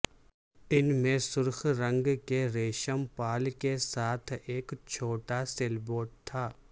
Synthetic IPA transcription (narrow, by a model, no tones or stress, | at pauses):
ɪnmẽsʊɾxɾɐ̃ŋɡkeɾeːʃəmpaːlkesaːt̪ʰeːkt͡ʃʰoːʈaseːlboːʈ̚t̪ʰaː